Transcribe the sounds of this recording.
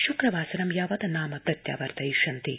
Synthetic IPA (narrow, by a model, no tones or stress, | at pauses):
ʃukɾɐʋaːsɐnɐmjaːʋɐd̪ɐnaːmɐt̪ɐt̪ja̰ːʋɐɾt̪ɐiʃɐnt̪i